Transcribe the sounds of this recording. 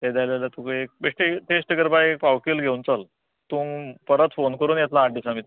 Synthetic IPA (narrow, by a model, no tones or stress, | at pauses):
t̪ed̪ajlalat̪ũkəek̚beʈit̪esʈəɡəɾbajek̚pawkiːlɡʱewnt͡səl | t̪ũːmpəɾət̪fonkəɾuːnjɛt̪laːʈɖisamit̪